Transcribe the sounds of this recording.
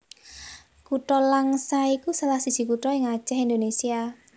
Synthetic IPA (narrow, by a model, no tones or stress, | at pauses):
kuʈɔlaŋsaikusalahsi̥d͡ʒ̥i̤kuʈɔɪŋḁt͡ʃɛɦind̪onesia